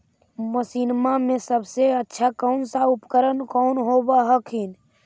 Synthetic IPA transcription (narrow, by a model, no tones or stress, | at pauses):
məsiːnmamẽsəbseətːʃʰakɔːnsaʊpkəɾənkɔːnɦobaɦəkʰin